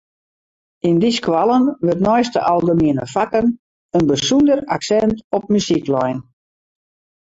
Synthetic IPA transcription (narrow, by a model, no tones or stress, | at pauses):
indiskwalˠənʋørtnɔjstə̰ʔalˠdəmiənə̰fakən | ənbəsundəra̰ksɛntɔp̚mysiklɔjn